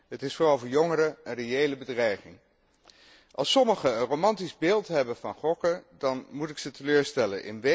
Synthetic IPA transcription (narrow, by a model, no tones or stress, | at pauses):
ɦətɪsfːrɑlˠvʊːɹjɔŋəɾəənrejejləbədrɛjχɪŋ | ʔɑlˠsɔməχəənrowmɑntizbeːlˠtɦɛbənvɑnχɔkədɑnmutɪksətəløːɹstɛlə̰nʔɪ̰nʋe